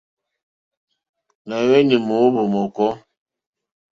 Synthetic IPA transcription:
na˨wɛ˦ni˨mo˨˦bo˨mɔ˨kɔ˦

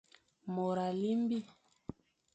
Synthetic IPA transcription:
mɔ˨ɾa˨li˦mbi˦

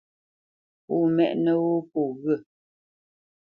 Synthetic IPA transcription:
pu˦˨mɛ̰˦˨ʔnə˦wo˦po˨ɣə˦˨

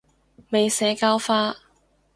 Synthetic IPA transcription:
me˨jsɛː˨˧kaː˥wfaː˥

